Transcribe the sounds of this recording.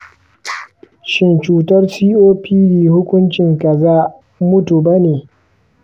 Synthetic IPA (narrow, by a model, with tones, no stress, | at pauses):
ʃɪ˦nt͡ʃuː˨tɐ˦rsiː˦ʔoː˦pʰiː˦biː˨hʊ˦kʷʊ˦nt͡ʃɪ˨ŋkɐ˨zaː˦ | mʊ˦tu˨ba˦neː˨